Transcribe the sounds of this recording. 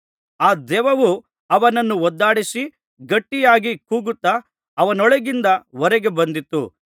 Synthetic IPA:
aːd̪ɛːʋɐʋu | ɐʋɐnɐnːuɔd̪ːaːɽisi | ɡɐʈːijaːɡikuːɡut̪ːɐ | ɐʋɐnɔɭɛɡind̪ɐʋɔɾɛɡe̞bɐnd̪it̪ːṵ

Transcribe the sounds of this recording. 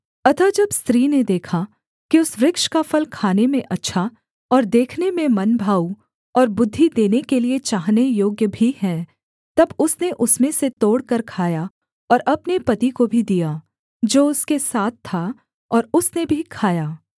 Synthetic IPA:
ɐt̪ʰad͡ʒɐbst̪ɾiːned̪eːkʰa | kiʊsʋɾɪkʃkafɐlkʰaːnemẽʔɐtːʃʰa | ɔːɾd̪eːkʰnemẽmɐnbʱaːu | ɔːɾbʊd̪ʱːid̪eːnekeliet͡ʃaːɦnejoːɡjəbʱiɦɛ̃ː | t̪ɐbʊsneʔʊsmẽset̪oːɽkɐɾkʰaːja | ɔːɾʔɐpnepɐt̪ikobʱid̪ijaː | d͡ʒoːʊskesaːt̪̚ʰt̪ʰːa | ɔːɾʊsnebʱikʰaːjaː

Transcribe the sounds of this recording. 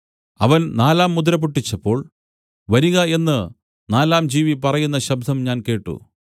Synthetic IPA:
ɐ̰ʋɐnnaːlaːmːud̪ɾɐbuʈːit͡ɕːɐpːo̞ːɭ | ʋɐɾiɣɐe̞nːɨ | naːlaːmd͡ʑiːʋipɐrɐjunːɐɕɐb̚d̪ʱɐmɲaːnke̞ːʈːṵ

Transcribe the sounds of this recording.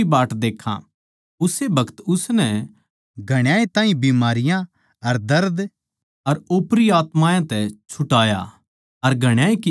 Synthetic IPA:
ibaːʈd̪eːkʰːã̰ | ʊsebʱɐkt̪ʊsnɛ | ɡʱɐɽ̃jaːet̪ãːĩbiːmaːɾɪjã | ɐɾd̪ɐɾd̪ | ɐɾoːpɾiaːt̪mãːjãt̪ɛt͡ʃʰʊʈaːja̰ | ɐɾɡʱɐɽ̃jaːeki

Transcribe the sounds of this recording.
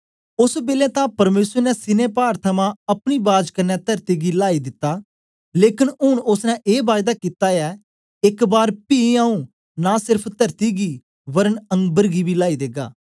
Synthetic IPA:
ʊsbeːlɛ̃ːt̪ãpɐɾmeːsəɾnɛsɪnẽːpaːɾt̪ʰəmãɐpɽ̃iːbaːd͡ʒkənːɛt̪əɾt̪iːɡiːlaːid̪ɪt̪ːaː | leːkɪnʊɳʊsnɛ̃ʔeːbaːjd̪aːkiːt̪aːɛː | ɪkbaːɾpiːaːũ | nasɪɾpʰt̪əɾt̪iːɡiː | ʋəɾənə̃ŋɡbəɾɡiːbʱiːlaːid̪eːɡa̰ː

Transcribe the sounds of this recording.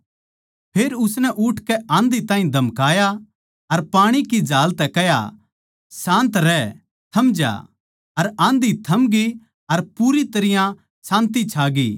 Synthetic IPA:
pʰeːɾʊsnɛʔʊʈʰkɛãːnd̪it̪ãːɦĩd̪ʱɐmkaːja | ɐɾpaːɽ̃ikid͡ʒaːlt̪ɛkɛɦja̰ | sãːnt̪ɾɛ | t̪ʰɐmd͡ʒa̰ː | ɐɾãːnd̪it̪ʰɐmɡi | ɐɾpuːɾit̪ɐɾɪjã | sãːnt̪it͡ʃʰaːɡiː

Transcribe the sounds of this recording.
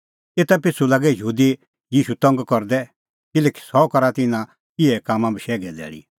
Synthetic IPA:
eːt̪apɪt͡sʰːulaːɡɛjuːd̪i | jiːʃut̪ɔ̃ŋɡkɔɾd̪ɛ | kɪlɛki̥sɔkɔɾat̪ɪnã | kiɛkaːmãbiʃɛːɡɛdɛ̰ːɭḭ

